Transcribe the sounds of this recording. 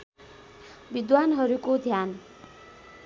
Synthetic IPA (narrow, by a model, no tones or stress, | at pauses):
bid̪wanɦʌɾukod̪ʱjan